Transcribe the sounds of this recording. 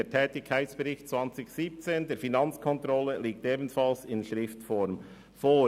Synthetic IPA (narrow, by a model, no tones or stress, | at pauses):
eːtʰɛːtɪkʰːaɪtsb̥əɾɪçtt͡svɑnt͡sɪçsiːp̚t͡seːndeːɾfinɑnt͡skʰɔntɾɔlːəliːk̚teːbn̩fɑlsɪnʃɾɪftfɔɾm | foː